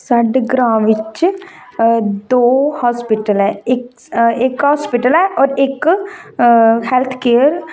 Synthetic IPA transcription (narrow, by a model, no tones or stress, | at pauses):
səɖɡɾãːʋɪt͡ʃ | d̪oːhaːspɪʈəlɛːɪk | ɪkɦɔːspiʈəlɛːʔɔːɾɪk | hɛlt̪ʰkeːəɾ